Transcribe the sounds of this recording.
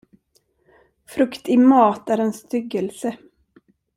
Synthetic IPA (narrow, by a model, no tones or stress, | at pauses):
fɾɵkt̪ɪmɑːt̪æɾɛnst̪ʏɡːəlsə